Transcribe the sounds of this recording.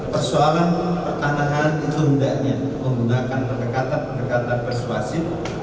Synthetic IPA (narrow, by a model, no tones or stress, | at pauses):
pərsoalanpərt̪anaɦanit̪uɦudaʔɲa | məŋɡudakanpərdəkat̪anpəndəkat̪̚apərsuasɪp̚